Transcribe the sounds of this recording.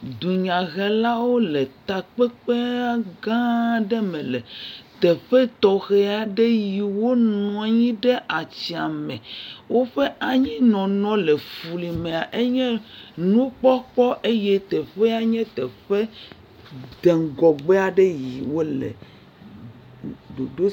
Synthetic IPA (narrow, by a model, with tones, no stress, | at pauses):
d̪u˨ɲã˨ɣɛ˨la˦wo˦le˨t̪a˨k͡pe˦k͡pe˦a˦ɡã˦ɖe˦mẽ˨lɛ˨t̪ɛ˨ɸe˦t̪ɔ˨xe˦a˨ɖe˦ji˨wo˦nɔ̃˨a˨ɲĩ˦ɖe˦ʔa˨t͡ɕi˨a˨mẽ˨wo˦ɸe˦ʔa˨ɲĩ˦nɔ̃˨nɔ̃˦le˨fu˨li˨mẽ˨a˨ʔe˦ɲɛ̃˦nũ˦k͡pɔ˦k͡pɔ˦ʔe˦je˦t̪ɛ˨ɸe˦a˦ɲɛ̃˦t̪ɛ˨ɸe˦ | d̪e˨ŋɡɔ˨ɡ͡be˦a˨ɖe˦ji˨wo˦lḛ˨ | do˨do˦